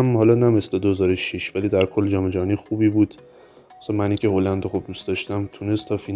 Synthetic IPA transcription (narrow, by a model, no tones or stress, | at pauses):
mhɒːlɒnæme̞sled̪ohezɒːɾoʃiʃvæliːd̪æɾkʰolːd͡ʒɒːme̞d͡ʒæɦɒnixuːbiːbuːd̪̥ | sɒmæniŋcʰeholænd̪oxob̚d̪ust̪d̪ɒʃt̪æmt̪ʰunest̪ʰːɒːfi